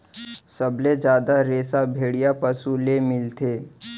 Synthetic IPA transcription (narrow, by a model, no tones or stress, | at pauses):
səbled͡ʒjaːd̪aɾeːsabʱeːɽijapəsulemɪlt̪ʰeː